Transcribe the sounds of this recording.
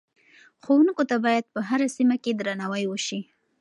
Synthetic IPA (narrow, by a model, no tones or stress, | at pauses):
xowunkot̪abɑjad̪̚pəɦaɾasimaked̪ɾanawəjwəʃi